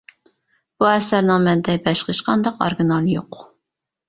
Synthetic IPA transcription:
b̥uɛsæɾnɪŋmɛnd̪ɛbɛʃqəʃqɑnd̪ɑqo̰ɾɡinɑlˠjoq

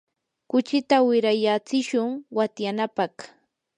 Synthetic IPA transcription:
kʊt͡ʃɪt̪awɪɾajat͡sɪʃʊŋwat̪janapɑχ

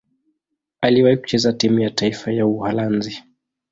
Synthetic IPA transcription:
aliwahiku̥t͡ʃɛzatimujataifajauhalanzi

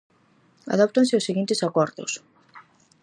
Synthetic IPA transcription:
a̰ðɔp̚t̪ansɪʊseɣint̪ɪsakɔɾðʊ̰s

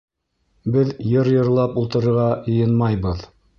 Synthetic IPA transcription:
bɘðjɤɾjɤ̆ɾlˠɑpulˠt̪ɤ̆ɾɤ̆ɾʁɑjɤ̆jɤnmɑjbɤð

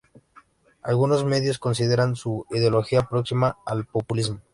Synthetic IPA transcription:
a̰lɣuno̞zme̞ðjo̞sko̞ns̬iðe̞ɾansuiðeolo̞xiapɾo̞ksimaːlpo̞pulizmo

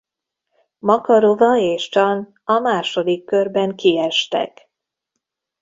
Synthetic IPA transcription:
mɒkɒɾovɒeːʃt͡ʃɒn | ɒmaːʃo̞d̪ikːørbɛŋkiɛʃt̪ɛ̰k

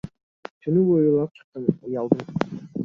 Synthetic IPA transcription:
t̪ʰynybojulˠɑp̚t͡ʃʰɨ̥qːɑnɑjɑlˠd̪u

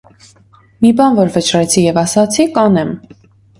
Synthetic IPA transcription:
mibɑnvɔɾvət͡ʃɾɛt͡sʰijɛvɑsɑt͡sʰikɑnɛm

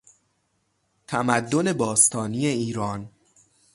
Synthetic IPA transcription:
t̪ʰæmæd̪ːo̞ne̞bɒːst̪ʰɒːniːeiːɾɒːn

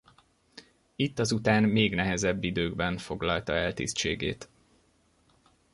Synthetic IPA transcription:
it̪ːɒzut̪aːnmeːɡnɛɦɛzɛbːid̪øːɡbɛɱfo̞ɡlɒlt̪ɒɛlt̪ḭst͡ʃḛːɡḛːt̪

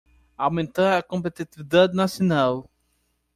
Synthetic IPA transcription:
awmẽnt̪aɾɐkõmpet̪it̪ivid̪ad̪ɪnasionaw

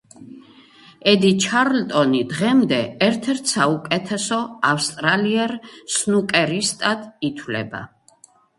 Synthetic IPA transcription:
ɛd̪it͡ʃʰaɾlt̪ʼɔnid̪ʁɛmd̪ɛɛɾt̪ʰɛɾt̪ʰsaukʼɛt̪ʰɛsɔafst̪ʼɾaliɛɾsnukʼɛɾist̪ʼad̪it̪ʰwlɛ̰ba̰

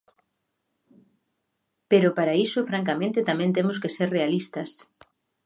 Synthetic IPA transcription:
peɾʊpaɾaisʊfɾaŋkamẽnt̪ɪt̪amẽnt̪emʊskeseɾrealist̪ɐs

